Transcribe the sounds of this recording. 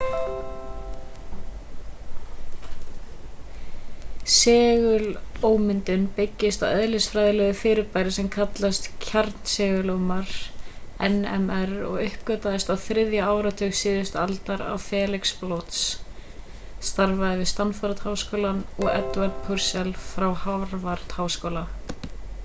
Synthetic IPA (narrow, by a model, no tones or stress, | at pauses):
sɛːɣʏloːwmɪnt̪ʏnpɪcːɪst̪awœðlɪsfɾajðɪlɛɣʏfɪːɾɪɾpajɾɪsɛmkʰat̪last̪cʰaɾt̪n̥sɛːɣʏloːwmaɾ̥ɛnɛ̰mɛɾɔ̰ɣʏhpkœːt̪aðɪst̪awθɾɪðjaaːwɾat̪ʰʏːxsɪːðʏst̪alt̪aɾa̰wfɛːlɪksplowt̪s | st̪aɾvaðɪvɪst̪anfaɾt̪haːwskowlanɔɣɛt̪vaɾt̪̚pʰʏɾ̥sɛlfɾawhavɾvaɾt̪haːwskowla